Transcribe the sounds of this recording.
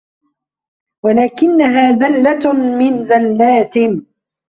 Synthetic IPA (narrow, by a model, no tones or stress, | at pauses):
walaːkɪnːaɦaːðalːamɪnzalːaːt̪ɪn